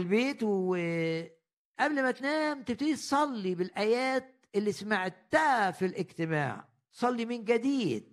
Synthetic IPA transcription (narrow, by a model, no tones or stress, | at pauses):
lbeːt̪w | ʔæblmæt̪næːmt̪ɪb̚t̪d̪it̪sˤɑlːibɪlʔæjæːt̪̚ʔɪlːismaʕt̪ːæfilʔɪɡt̪ɪma̰ːʕ | sˤɑlːimɪnɡæd̪iːd̪̥̚